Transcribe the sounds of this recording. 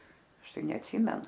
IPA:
ˈɐʃ ˈtɐɪ nʲɛɐtʲˈsʲiːmʲɛnʊ

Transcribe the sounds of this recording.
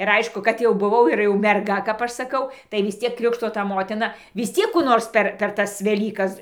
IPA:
ɪr ˈɐɪʃkʊ kɐt jɛʊ bʊˈʋɐʊ ɪr jɛʊ mʲɛrˈɡɐ kɐp ˈɐʃ sɐˈkɐʊ tɐɪ ʋʲɪs ˈt͡sʲiɛk ˈkrʲɪkʃtoː tɐ ˈmoːtʲɪnɐ ʋʲɪs ˈt͡sʲiɛk kuː ˈnoːrs pʲɛr pʲɛr ˈtɐs ʋʲɛˈlʲiːkɐs

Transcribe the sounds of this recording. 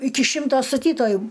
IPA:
ˈɪkʲɪ ˈʃʲɪmtoː stɐˈtʲiːtoːjʊ

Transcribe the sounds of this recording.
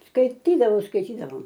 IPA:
skɐɪˈtʲiːdɐʋɐʊ skɐɪˈtʲiːdɐʋɐʊ

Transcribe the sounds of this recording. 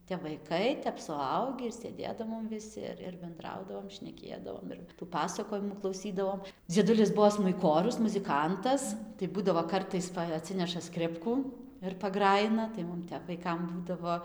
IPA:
tʲɛp ʋɐɪˈkɐɪ ˈtʲɛp sʊˈɐʊɡʲiː ɪr sʲeːˈdʲeːdɐʋoːm ʋʲɪˈsʲɪ ɪr ɪr bʲɛnˈdrɐʊdɐʋoːm ʃʲnʲɛˈkʲeːdɐʋoːm ɪr ˈpɑːsɐkoːjɪmuː klˠɐʊˈsʲiːdɐʋoːm d͡zʲiɛˈdʊlʲɪs ˈbuɔ smʊɪˈkoːrʲʊs mʊzʲɪˈkɐntɐs tɐɪ ˈbuːdɐʋoː ˈkɐrtɐɪs ˈpɐ ɐˈtʲsʲɪnʲɛʃɐ ˈskrʲɪpkuː ɪr pɐˈɡrɑːjɪnɐ tɐɪ ˈmʊm ˈtʲɛp ʋɐɪˈkɐm ˈbuːdɐʋoː

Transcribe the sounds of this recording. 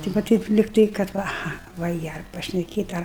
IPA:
tɐɪ ʋɐ ˈtʲɛɪp lʲɪkˈtɐɪ kɐt ˈʋɐ ɐˈɣɐ ʋɐ ˈjiɛ ɐr pɐʃʲnʲɛˈkʲeːtʲ ˈɐr

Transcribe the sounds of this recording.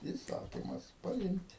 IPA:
iːˈsɑːkʲɪmɐs pɐˈɪmʲtʲ

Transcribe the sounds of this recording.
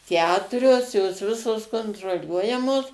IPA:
ˈkʲæːtʊrʲoːs joːs ˈʋʲɪsoːs koːntroːˈlʲuɔjɛmoːs

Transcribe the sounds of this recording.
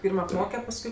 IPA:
ˈpʲiːrm ɐpˈmoːkʲɛ pɐsˈkʊɪ

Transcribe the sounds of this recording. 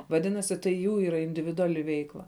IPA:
ʋɐˈdʲɪnɐsʲɪ tɐɪ ˈjuː ˈiːrɐ ɪnʲdʲɪʋʲɪdʊˈɑːlʲɪ ˈʋʲɛɪklˠɐ

